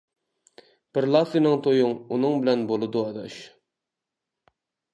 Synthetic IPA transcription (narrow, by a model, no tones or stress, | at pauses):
b̥ɪɾlˠɑfɨnɨŋt̪ʰojuŋunɨŋbɪlɛnbolˠɨd̪uɑd̪ɑ̰ʃ